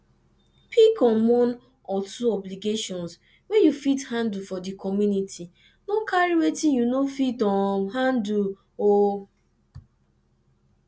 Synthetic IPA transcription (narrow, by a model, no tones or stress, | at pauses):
pʰikɔnwɔn | ɔtʰuɔbliɡeʃɔ̃ns | wɛjufithãndufɔdikʰɔmjunitʰi | nokaɾiwetĩjunofitɔɦandu | o